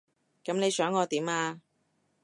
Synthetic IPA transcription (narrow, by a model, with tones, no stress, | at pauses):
kɐ˨˧˥mne˨˧jsœː˨˥ŋːɔː˨˧t̪iː˨˥maː˧